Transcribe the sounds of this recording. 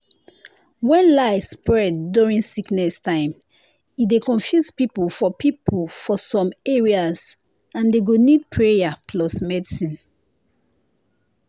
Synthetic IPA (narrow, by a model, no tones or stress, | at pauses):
wɛ̃nlaɪspɹɛdːuɹĩnsiknɛstãɪ̃m | idekɔ̃nfjuspipulfɔpʰipʰulfɔsɔ̃meɹiaz | ãndeɡonid̚pʰɹejapʰlɔsmɛdisĩn